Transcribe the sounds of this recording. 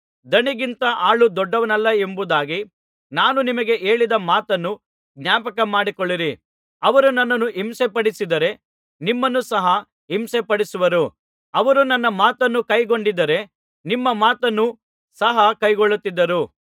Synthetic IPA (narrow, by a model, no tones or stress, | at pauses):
d̪ɐɳiɡint̪ɐʔaːɭud̪ɔɖːɐʋɐnɐlːɐe̞mbud̪aːɡi | naːnunimɐɡe̞ʔe̞ːɭid̪ɐmaːt̪ɐnːu | ɡnɲjaːpɐkɐmaːɽikoɭːiɾi | ɐʋɐɾunɐnːɐnːuɦimsepɐɽisid̪ɐɾe̞ | nimːɐnːusɐɦɐ | imsepɐɽisuʋɐɾu | ɐʋɐɾunɐnːɐmaːt̪ɐnːukɐjɡo̞ɳɖid̪ɐɾe̞ | nimːɐmaːt̪ɐnːu | sɐɦɐkɐjɡoɭːut̪ːid̪ːɐɾu